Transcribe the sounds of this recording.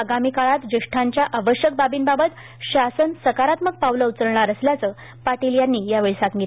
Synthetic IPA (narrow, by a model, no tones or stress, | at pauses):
əɡamikaɭat̪d͡ʑiʂʈʰaɲt͡ɕjaʔaʋəɕjək̚babiːnbabət̪ | ɕasənsəkaɾat̪mək̚pawləwt͡səɾɳaɾəsljat͡səː | paʈiljanːiːjaʋeɭisaŋɡit̪